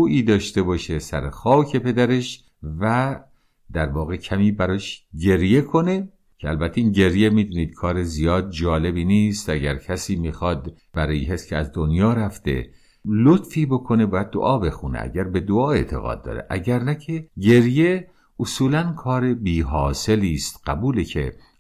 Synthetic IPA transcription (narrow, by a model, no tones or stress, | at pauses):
uːʔiːd̪ɒːʃt̪e̞bɒːʃe̞sæ̰ɾexɒːcʰe̞pe̞d̪æɾe̞ʃ | væ | d̪̥æɾvɒːɣe̞cʰæmiːbæɾɒːʃɟe̞ɾje̞kʰo̞ne̞ | cʰeælbæt̪ʰːeiːnɟe̞ɾjemiːd̪uːniːd̪̥̚kʰɒːɾezijɒːd̪̚d͡ʒɒːle̞biːniːst̪ʔæɡæ̰ɾcʰæsiːmiːxɒːd̪ | b̥æɾɒːjiɦescʰeæzd̪onjɒːɾæft̪e̞̰ | lot̪fiːbokʰo̞ne̞bɒːjæd̪̚ːo̰ʔɒːbe̞xunḛæ̰ɟæɾbe̞d̪oɒːe̞t̪ʰḛɣɒ̰ːd̪̚ːɒ̰ːɾḛʔæ̰ɟæɾnæcʰeɟe̞ɾje | osuːlænkʰɒːɾebiːɦɒːse̞liːst̪ɢ̥æbuːlecʰḛ